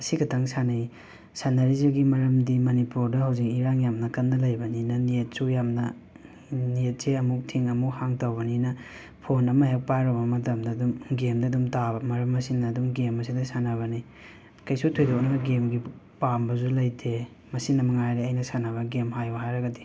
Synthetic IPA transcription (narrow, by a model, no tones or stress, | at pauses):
ɐsiɡɐtʰɐŋsanɐ | sanɐɾiziɡimɐɾɐmdimɐnipuɾdɐhɐwzik̚iɾaŋjamnɐkɐnːɐlɐjbɐninɐniet̚sujamnɐ | niet̚seɐmuk̚tʰiŋɐmukhaŋtɐwbɐninɐ | pʰonɐmɐɦek̚pajɾobɐmɐtɐmdɐdumɡemdɐdumtabɐmɐɾɐmɐsinɐːdumɡemɐsidɐsanɐβɐni | kɐjsutʰojdok̚nɐɡemɡipambɐzulɐjtʰe | mɐsinɐmɐŋajɾeɐjnɐsanɐβɐɡemhajbɐhajɾɐɡɐdi̥